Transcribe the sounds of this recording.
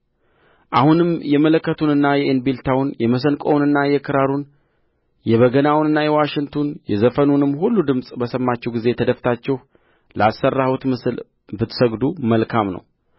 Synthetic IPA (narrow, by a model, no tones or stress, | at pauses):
ʔahunɨmjɛmələkːət̪ʰunɨnːajɛʔɨnbilt̪ʰawʊnjɛməs̬ənkʼo̰wnɨnːajɛkʰɨɾaɾun | jɛβəɡənawnɨnːajɛwaʃɪŋt̪ʰonjɛzəfənunɨmːhulːud̪ɨmsʼbəsəmːat͡ʃːɛwɡize̞t̪ʰəd̪əft̪ʰat͡ʃːɛh | ləasːərːahut̪ɨl | bɨt̪səɡd̪uməlkʰamnə̰w